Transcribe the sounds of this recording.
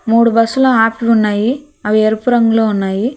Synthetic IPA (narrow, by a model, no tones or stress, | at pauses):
muːɽubɐsːuloːaːpiʋunːaːji | ɐʋieɾupuɾɐŋɡuloːunːaːji